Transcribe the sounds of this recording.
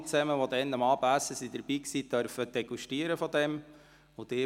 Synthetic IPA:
t͡sɛməʋɔd̪ɛnːəmɑːbæsəsid̪əɾb̥iːksit̪œɾfəd̥ɛɡ̥uʃtiəɾəfɔd̪ɛm | od̥̪ɪː

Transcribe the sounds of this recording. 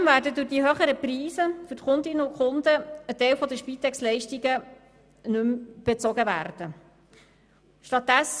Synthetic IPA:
mvæːɾdədʊχd̥iɦøχəɾəpriːzəfʏɾtχʊndɪnəʊkχʊndəətɛɪlfɔd̪əʃpiːt̪ːɛkslɛɪʃtiɡə | nʉmb̥ɛt͡sɔɡəvæ̰ːrd̥ə | ʃtɑt̪̚dɛs

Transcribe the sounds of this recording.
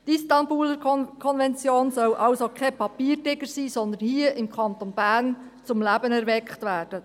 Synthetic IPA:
tistɑnbuːləɾkʰɔnvɛnt͡sjoːnsœlʔɑlsokʰɛpʰɑpiːɾdɪɡəɾsiːsɔnd̪ənhiːəʔɪmkʰɑnt̪onb̥æːɾnt͡sʊmlæbənɛɾʋɛkχtʋæːɾd̥ə

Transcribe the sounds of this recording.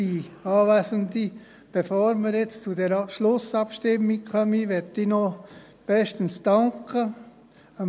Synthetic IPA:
iɑːʋæːsənd̪i | b̥efoːɾməɾjɪt͡st͡sudɛɾʃlʊsɑpʃtɪmːikχœmiʋɛt̪inɔ | b̥ɛʃtənsd̥ɑŋkə | ə

